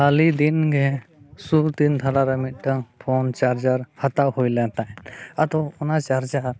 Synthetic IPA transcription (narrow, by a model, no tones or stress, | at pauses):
alid̪inɡɛsubt̪ind̪ʱalaɾamit̪̚ʈaŋpʰɔnt͡ʃaɾd͡ʒaɾhat̪aʔhujlɛnt̪aat̪ɔɔnat͡ʃaɾd͡ʒaɾ